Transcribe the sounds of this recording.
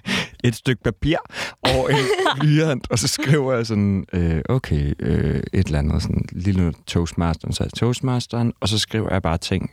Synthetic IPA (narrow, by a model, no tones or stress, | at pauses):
e̝d̥sd̥øɡ̥̚pʰæpʰiɐ̰ɒʔenlyːæn̰d̥ɒ̽sɒ̽sɡ̥ʁḭʊ̰ɐjäsɒ̽nøʔoʊkʰeɪøe̝d̥elænð̩ˠsɒ̽nlilot͡sʰɔʊsmæsd̥ɐn̩st͡sʰɔʊsmɑsd̥ɐnɒ̽s̬ɒ̽sɡ̥ʁḭːʊɐjɑ̈b̥ɑ̈ːt͡sʰeŋ̰